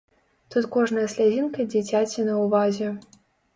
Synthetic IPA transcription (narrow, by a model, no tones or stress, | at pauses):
t̪ut̪kɔʐnɐjɐsʲlʲad͡zʲinkɐd͡zʲit͡sʲat͡sʲinɐwvazʲɛ